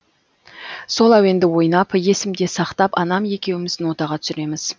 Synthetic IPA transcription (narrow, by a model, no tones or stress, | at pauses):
so̞lˠɑwe̞nd̪ɪwo̞jnɑpje̞sɪmd̪e̞sɑqt̪ɑpɑnɑmje̞kʲe̞wɪmɪzd̪ɪnwo̞t̪ɑʁɑt̪ʰʏ̥sɪɾe̞mɪz̥